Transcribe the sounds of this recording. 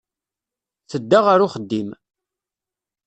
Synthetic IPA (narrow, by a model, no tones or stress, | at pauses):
θəd̪ːaʁaɾʊχəd̪ːim